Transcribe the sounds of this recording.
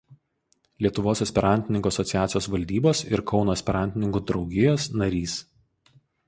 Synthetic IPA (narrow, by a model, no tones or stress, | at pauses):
lʲiɛt̪ʊʋoːsɐsʲpʲɛɾɑnʲt̪ʲɪnʲɪŋkuːɐsɔt̪sʲɪjæːt̪sʲɪjoːsʋɐlʲd̪ʲiːboːsɪɾkɒʊnoɛsʲpʲɛɾɑˑnʲt̪ʲɪnʲɪŋkuːd̪ɾɒʊɡʲɪjoːsnɐɾʲiːs